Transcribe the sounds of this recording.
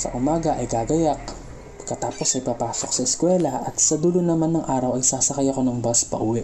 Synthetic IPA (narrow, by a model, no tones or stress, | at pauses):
sɐ̰ʔʊmaːɡɐʔɐjɡaːɡɐjak̚ | pɐɡ̚kːɐt̪aːpo̞sɐjpapaːso̞ksɐɛskwɛːlɐʔɐt̪sɐd̪uːlonɐmanːɐŋʔaːɾɐwʔɐjsaːsɐkɐjɐko̞nɐŋbaspɐ̰ʔuːwɛʔ